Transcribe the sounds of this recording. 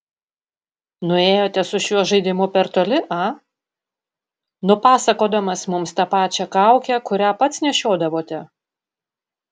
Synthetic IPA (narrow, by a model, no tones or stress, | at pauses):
nʊeːjoːt̪ʲɛsʊʃʲuɔʒɐɪd̪ʲɪmʊpʲɛɾt̪oːlʲɪʔɐ | nʊpɑːsɐkoːd̪ɐmɐsmʊmst̪ɐpɑːt͡ʃʲɛkɑˑʊkʲɛkʊɾʲæpɐt̪snʲɛʃʲoːd̪ɐʋoːt̪ʲɛ